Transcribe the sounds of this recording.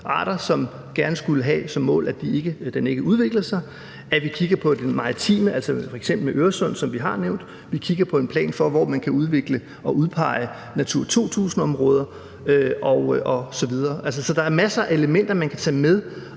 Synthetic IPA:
ʔɑ̰̈ːɾ̥ɐsɒ̽m | ɡ̥æɐnəsɡ̥uləɦɛsɒ̽mːɔ̰̽ːlæd̥ie̝ɡ̥əd̥ene̝ɡ̥əuðˠʋe̝ɡ̥lɐsɑ̈ɪ | æʋikʰiɡ̥ɐpʰɒ̽d̥enmɑ̈t͡sʰḭːməʔælsɐfɒe̥sem̰b̥l̩meʔøːɐsɔ̽n̰sɒ̽mʋiɦɑ̈neʊnd̥ | ʋikʰiɡ̥ɐpʰɒ̽e̝npʰlɛ̰ːnfɒ̽ʋɒ̰ːmænkʰæuð̞ˠʋe̝ɡ̥lə | ɒ̽ʔuð̞ˠpʰɑ̈ɪə | næt͡sʰuɐ̰t͡sʰo̝̰ːt͡sʰṵːsn̩ɒ̽mʁɔːð̞ˠɐ | øʔɒ̽ʊʔɒ̽sɒ̽ʋið̞ˠɐːʔæls̬əsɒ̽d̥ɑ̈æɐmæsɐʔe̝ləmen̰d̥ɐmænkʰæt͡sʰɛ̰ːmeð̞ˠ

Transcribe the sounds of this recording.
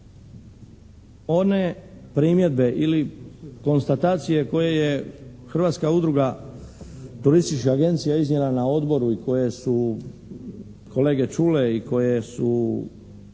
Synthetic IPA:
o̞ne | pɾimje̞d̪be̞ʔiliko̞nst̪at̪aːt̪sijeko̞je̞jexr̩ʋaːt̪skaud̪ɾuɡa | t̪uɾist̪it͡ʃkaaɡe̞nt̪sijaiznɲjelanao̞d̪bo̞ɾuiko̞je̞su | kʰo̞le̞ːɡe̞t͡ʃuːleiko̞jesu

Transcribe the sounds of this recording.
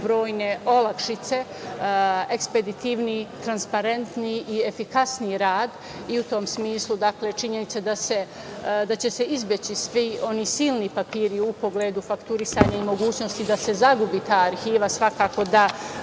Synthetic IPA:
bɾo̞ːjne̞o̞lakʃit̪se̞ | ekspe̞d̪it̪iʋnit̪ɾanspaɾe̞nt̪niie̞fikasnijɾaːd̪ | iut̪o̞ːmsmiːslud̪akle̞t͡ʃiɲe̞nit̪sed̪ase̞ | d̪at͡ɕe̞se̞izbje̞t͡ɕisʋio̞niːsilˠnipapiːɾiupo̞ɡleːd̪ufakt̪uɾisaːɲaimo̞ɡuːt͡ɕno̞st̪id̪ase̞zaɡubiːt̪aːaɾxiːʋasʋakaːko̞d̪a

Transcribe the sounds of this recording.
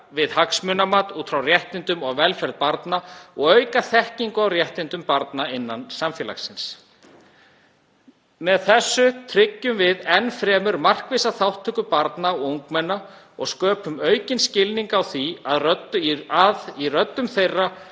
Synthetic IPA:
vɪðhaksmʏːnamaːt̪uːt̪fɾawrjɛht̪ɪnt̪ʏmɔɣvɛlfɛɾð̚paɾt̪naɔɣœːɥkaθɛhciŋkʏawrjɛht̪ɪnt̪ʏmpaɾt̪naɪnːansamfjɛːla̰xsɪns | mɛðθɛsːʏt̪ʰɾɪcːʏmvɪðɛnfɾɛːmʏɾmar̥kvɪsaθawht̪ʰːʏkʏpaɾt̪naɔuŋkmɛnːa | ɔɣskœːpʏmœɥcɪnscɪlniŋkawθia̰ðrœt̪aðirœt̪ːʏmθejrːa

